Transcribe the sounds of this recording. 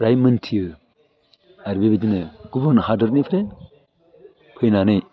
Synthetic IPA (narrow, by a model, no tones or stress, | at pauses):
ɾajmɯntʰijɯ | aɾbebed͡ʒinɯɡ̥ubaɾnhadɯɾnipʰɾe | pʰɯjnanɯj